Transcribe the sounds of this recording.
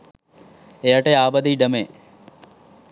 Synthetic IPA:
eəʈeːaːbəd̪iːɖəmeː

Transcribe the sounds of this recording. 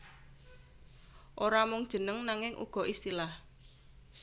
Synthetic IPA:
ʔoɾamʊŋd̥ʒ̥ə̤nəŋnaŋɪŋʔṵɡ̥ɔ̤ʔist̪ilah

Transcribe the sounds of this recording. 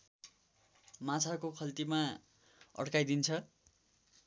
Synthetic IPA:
mãt͡sʰakokʰʌlt̪ima | ʌ̰ɽkajd̪int͡sʰʌ

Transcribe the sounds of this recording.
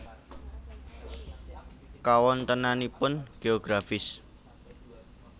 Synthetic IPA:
kawɔnt̪ənanipʊnɡ̥eoɡ̥ɾafɪs

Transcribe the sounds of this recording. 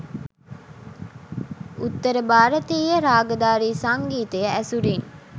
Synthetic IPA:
ut̪ːəɾəbaːɾət̪iːjəɾaːɡəd̪aːɾiːsaŋɡiːt̪əjəæsuɾin

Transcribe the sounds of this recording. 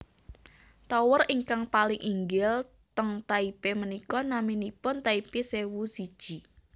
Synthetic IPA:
t̪ɔwəriŋkaŋpalɪŋʔiŋɡɪl | t̪əŋt̪aipemənikɔnaminipʊnt̪aipisewusid̥ʒ̥i̤

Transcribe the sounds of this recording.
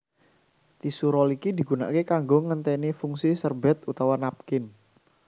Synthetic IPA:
t̪isuɾɔlikidi̤ɡuna̰kekaŋɡɔŋːənt̪ɛnifuŋsisərbɛt̪ut̪awanap̚kɪn

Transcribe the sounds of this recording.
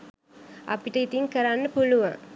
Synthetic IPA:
ʔɐ̰piʈɐit̪iŋkɐɾanːəpuluʋã̰ŋ

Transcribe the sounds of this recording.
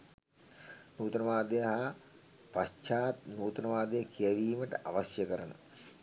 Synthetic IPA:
nuːt̪nɐʋaːd̪ejɐɦa | pat͡ʃaːt̪nuːt̪ɐnɐʋaːd̪ejəkʰijɐʋiːməʈə̰ʔaʋɐɕjəkəɾɐnə

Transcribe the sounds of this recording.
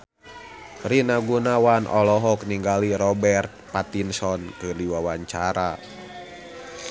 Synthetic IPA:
rinaɡunawanʔɔ̰lɔɦɔk̚niŋɡaliɾɔbɛrt̪̚pat̪insɔnkɨliwawaɲt͡ʃaɾa

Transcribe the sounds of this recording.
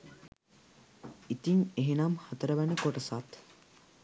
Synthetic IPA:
it̪iŋeɦenamhat̪əɾəʋænəkoʈəsat̪

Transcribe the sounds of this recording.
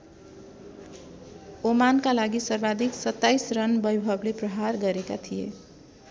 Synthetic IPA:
omankalaɡisʌɾbad̪ʱiksʌt̪ːajsɾʌnbʌjbʱʌblepɾʌɦaɾɡʌɾekat̪ʰijḛ

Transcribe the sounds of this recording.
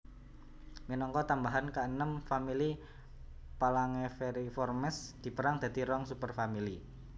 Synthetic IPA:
minɔŋkɔt̪ambaɦankaənəmfamili | palaŋefeɾifɔrmɛsd̪̥i̤pəɾaŋd̪̥a̤d̪iɾɔŋsupərfamili

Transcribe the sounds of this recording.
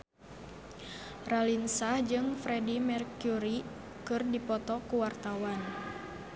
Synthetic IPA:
ralinsad͡ʒɨŋfɾɛdimɛrkuɾi | kɨrdipɔt̪ɔkuwart̪awan

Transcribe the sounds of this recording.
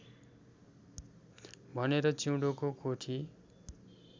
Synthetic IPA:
bʱʌneɾʌt͡siwɽokokoʈʰi

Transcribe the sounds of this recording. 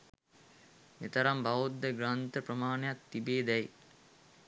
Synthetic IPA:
met̪ɐɾɐmbaʋud̪ːəɡɾant̪əprɐmaːnɐjak̚t̪ibeːd̪ɛj

